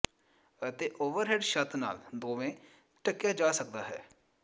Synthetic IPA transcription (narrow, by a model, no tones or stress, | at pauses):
ət̪eːʔoːʋəɾɦɛːɖʃət̪na̰ːld̪oːʋẽː | ʈəkjaːd͡ʒaːsək̚d̪aːɦɛ̰ː